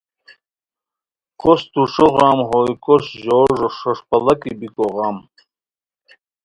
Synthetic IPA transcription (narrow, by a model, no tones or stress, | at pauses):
kʰost̪uʂoʁɑːmɦojkoɕʑoːʐoʂoʂpɐlɐkibikoʁɑːm